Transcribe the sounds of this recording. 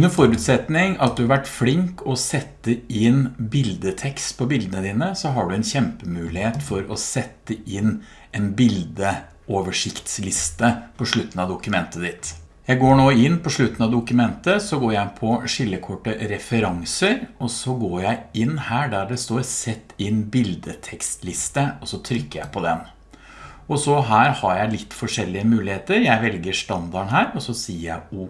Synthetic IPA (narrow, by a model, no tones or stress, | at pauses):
ʉnəfɔɾʉːt̪sɛt̪nɪŋɑt̪̚d̪ʉhɑɾʋæʈːflɪŋkʰɔsɛt̪ːəɪnbɪld̪ət̪ʰɛkst̪pʰɔbɪld̪ənəd̪iːnəsɔɦɑɖʉɛnçɛmpəmʉːlɪheːt̪fɔɾɔsɛt̪ːəɪn | ɛnbɪld̪ə | oːʋəʂɪkt̪slɪst̪əpʰɔʂɭʉt̪ːn̩ɑd̪ʊkʉmɛnt̪əd̪ɪt̪ | jæɪɡoːɳoːɪnːpʰɔʂɭʉt̪n̩ɑʋd̪ʊkʉmɛnt̪əsɔɡoːɾjæɪpʰɔʂɪlːəkʰɔʈːəɾɛfəɾɑŋsəɾɔsɔɡoːɾjæɪɪnːhæːɖæɖɛst̪oːɾsɛt̪ːɪnːbɪld̪ət̪ʰɛkst̪lɪst̪əɔsɔt̪ʰɾʏkːəɾjæ̰ɪpʰɔd̪ɛn | ɔsɔɦæːɾhɑɾjæɪlɪt̪ːfɔʂɛlːɪəmʉːlɪheːt̪əɾjæɪʋɛlɡəɾʂt̪ɑnd̪ɑɳɦæːɾɔsɔsiːəɾjæɪu